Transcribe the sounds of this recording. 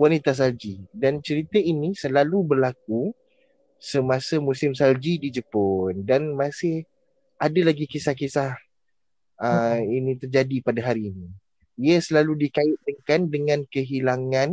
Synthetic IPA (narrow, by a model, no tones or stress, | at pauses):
wanit̪as̬ald͡ʒidant͡ʃəɾit̪əinisəlalubərlak̚u | səmasamũsɪmsald͡ʒidid͡ʒəpondanmasɪh | ʔadalaɡikisahkisah | əinit̪ərd͡ʒadipadaɦaɾiːni | iəsəlaludikaɪt̪̚dəŋkandəŋãnkəɦilaŋãn